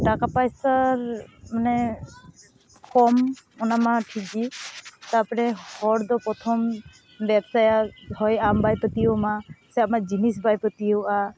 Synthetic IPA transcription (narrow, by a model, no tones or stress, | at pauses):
ʈakapajsaɹmanɛ | kʰɔmɔnamaʈʰiɡit̪apɔɾɛhɔɾd̪ɔpɔt̪ʰɔm | bɛpsajahɔjambajpɔt̪ijomasɛamad͡ʒinisbajpɔt̪ijoa